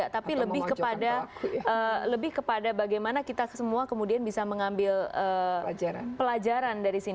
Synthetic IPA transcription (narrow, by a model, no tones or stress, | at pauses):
at̪apiləbɪhkəpadaələbɪhkəpadabaɡajmanakit̪asəmuakəmudianbisaməŋambɪləː | pəlad͡ʒaɾandaɾisin